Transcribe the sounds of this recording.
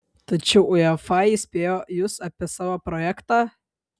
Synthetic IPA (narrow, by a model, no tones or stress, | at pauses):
t̪ɐt͡ʃʲɛʊʊɛfɑisʲpʲeːjoːjʊsɐpʲiɛsɑːʋoːpɾɔjækt̪ɑː